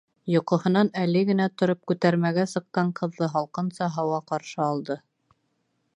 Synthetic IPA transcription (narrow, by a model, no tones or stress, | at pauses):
jŏqŏhɤ̆nɑnælɘɡɘ̆næt̪ŏɾop̚kʉt̪æɾmæɡæsɤ̆q̚ːɑɴqɤ̆ðːɤɦɑlˠqɤ̆nsɑɦɑwɑqɑɾʃɤɑlˠd̪ɤ